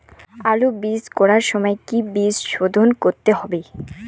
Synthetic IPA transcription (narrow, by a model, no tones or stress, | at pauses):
alobiskɔɾaɾʃɔmɔekibisʃod̪ʱonkoɾt̪eɦɔbe